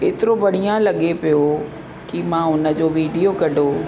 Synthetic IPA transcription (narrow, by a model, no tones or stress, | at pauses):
eːt̪ɪɾobɐɽ̤ijãlɐɠepijo | kɪmãːʊnə̆d͡ʑoːʋiːɖijokɐɖʱoː